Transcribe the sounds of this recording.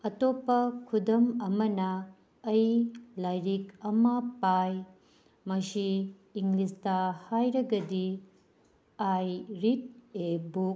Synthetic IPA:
ɐtopːɐkʰudɐmɐmɐnɐː | jlajɾikɐmɐpaj | mɐsiː | ŋɡlistɐhajɾɐɡɐdi | ajɾit̚ebuk

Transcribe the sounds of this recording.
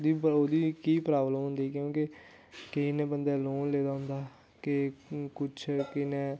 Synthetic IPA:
d̪iːoːd̪iːkiːpɾaːbləmɦʊ̃nd̪iːkjõːke | kɪinẽːbənd̪ɛːloːnleːd̪aːɦʊ̃nd̪aː | kɪkʊt͡ʃʰkɪneː

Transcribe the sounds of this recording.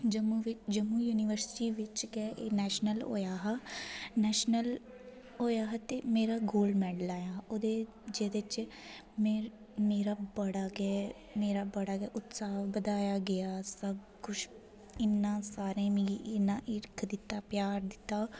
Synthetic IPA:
d͡ʒəmuːʋɪt͡ʃd͡ʒəmuːjuːnɪʋəɾsɪ̥ʈiːʋɪt͡ʃɡɛːʔeːnɛːʃnəlo̰ːjaːɦanɛːʃnəl | ɦoːjaːɦɛt̪eːmeːɾaːɡoːlmɛːɖəlaːjaːoːd̪eː | d͡ʒeːd̪ɪt͡ʃ | mɛ̃ː | meːɾaːbəɽaːɡɛː | meːɾaːbəɽaːɡɛːʔʊt̪saːbəd̪aːjaːɡɪjaːsəb̚ | kʊt͡ʃʰ | ɪnːãːsaːɾẽːmĩiʔɪnãːʔɪɾkʰd̪ɪt̪ːaːpjaːɾd̪ɪt̪ːaː

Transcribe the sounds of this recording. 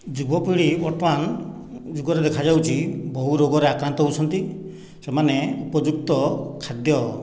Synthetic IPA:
d͡ʒubɔpiɽiɔʈman | d͡ʒuɡɔɾed̪ekʰad͡ʒawt͡ʃʰibɔɦuɾoɡɔɾeakɾant̪ɔɦowt͡ʃʰɔnt̪i | semaneupɔd͡ʒuk̚t̪ɔkʰad̪jɔ

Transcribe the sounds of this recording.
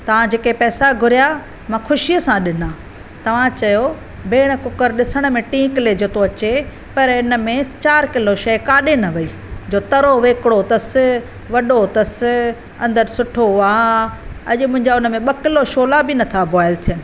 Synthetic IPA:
t̪ɐʋ̤ãd͡ʑeːkepɛːsaɡʱʊɾija | mɐ̃xʰʊʃijəsãɗɪnaː | t̪ɐʋ̤ãt͡ɕɐjo | beːɽ̃̆kʊkəɾɗɪsəɽ̃̆mẽʈĩːkled͡ʑoːt̪oɐt͡ɕe | pɐɾɪnə̆mẽt͡ɕaːɾkɪloʃɐːkaːɗenɐʋɐiː | d͡ʑoːt̪ɐɾoʋeːkɽot̪ɐsɪ | ʋɐɗot̪ɐsɪ | ɐ̃nd̪əɾsʊʈʰoɦʊaː | ɐʄʊmʊ̃ɦɪ̃ɲd͡ʑaʊnə̆mẽɓɐkɪloʃoːlabinɐt̪ʰabʱɔːɪlt̪ʰijənɪ̆

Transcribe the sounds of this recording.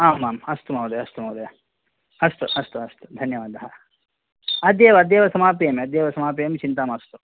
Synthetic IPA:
aːmaːmɐst̪umɐwd̪ɐjɐst̪umɐʋwd̪ɐj | ɐst̪uɐst̪uɐst̪u̥d̪ʱɐnjɐʋaːd̪ʱɐɦɐ | ɐd̪jeːʋɐɐd̪jeːʋɐsɐmaːpijɐmiɐd̪jeːʋɐsɐmaːp̬ijɐmit͡ʃint̪aːmɐst̪u

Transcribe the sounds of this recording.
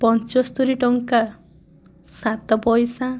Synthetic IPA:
pɔnt͡ʃɔst̪uɾiʈɔŋka | sat̪ɔpɔjsa

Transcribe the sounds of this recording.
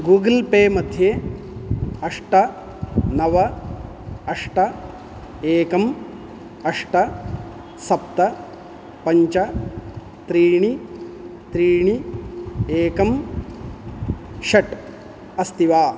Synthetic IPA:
ɡuːɡɐlpeːmɐd̪ʱje | ɐʂʈɐ | nɐʋɐ | ɐʂʈɐ | eːkɐm | ɐʂʈɐ | sɐpt̪ɐ | pɐɲt͡ʃɐ | t̪ɾiːɳ̃i | t̪ɾiːɳ̃i | eːkɐm | ʃɐʈ | ɐst̪iʋaː

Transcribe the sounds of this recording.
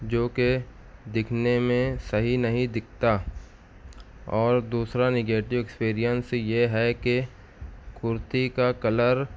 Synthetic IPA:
d͡ʒoːke | d̪ɪkʰnemẽsɐɦinɐɦĩd̪ɪk̚ʰt̪a | ɔːɾd̪uːsɾanɪɡeːʈɪʋekspiːɾijənsjeɦɛke | kʊɾt̪ikakɐləɾ

